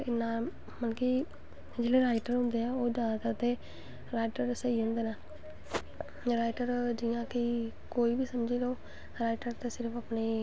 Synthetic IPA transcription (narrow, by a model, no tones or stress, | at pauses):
ɪnːãː | mənki | d͡ʒeːɽeːɾaːɪʈəɾɦʊ̃nd̪eːaːoːd͡ʒaːt̪at̪eː | ɾaːɪʈəɾsəiːɦʊ̃nd̪eːnaː | ɾaːɪʈəɾd͡ʒijãːkɪ | koːiːbiːsəmd͡ʒiːloː | ɾaːɪʈəɾt̪eːsɪɾpʰaːpneː